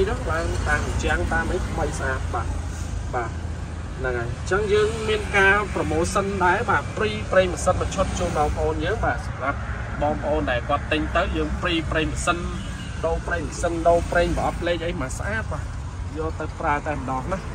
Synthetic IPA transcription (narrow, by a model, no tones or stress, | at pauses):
jnɨŋɓaːnkaːʔɑt͡ɕɛ̆əŋt̪aːmʔəjt̪ʰməjsʔaːt̪̚ɓa̰ːʔ | ɓaː | nɨŋajt͡ɕəŋjəːŋmiənkaːprɑmoːlsənɗaɛɓaːʔpriːpreːŋməsət̪̚mət͡ɕʰot̪̚t͡ɕuːlɓɑːŋpə̆ʔoːnjəːŋɓaːsɑmrap̚ | ɓɑːŋpə̆ʔoːnɗaɛlkŏət̪ːɨɲt̪əwjəːŋpriːpreːŋməsən | ɗoːpreːŋməsənɗoːpreːŋɓəʔɑt̪pʰleːk̚ʔəjmaːsʔaːt̪̚ɓaːʔ | jɑːt̪ɨwpraət̪aɛɓnɑːhnah